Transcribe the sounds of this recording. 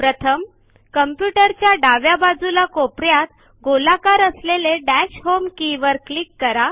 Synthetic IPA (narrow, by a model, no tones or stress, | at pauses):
pɾət̪ʰəm | kəmpjuʈəɾt͡ɕjaɖaʋjabad͡zulakopɾjat̪ | ɡolakaɾəsleleɖæɕhomkiʋəɾklikːəɾa